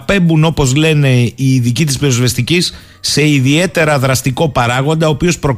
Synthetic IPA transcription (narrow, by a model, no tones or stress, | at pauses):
pe̞mbuno̞po̞zle̞ne̞iːðicit̪i̥spiɾozvest̪icisː | e̞iðie̞t̪e̞ɾɐðɾɐst̪iko̞pɐɾɐɣo̞nd̪ɐoːpio̞spɾo̞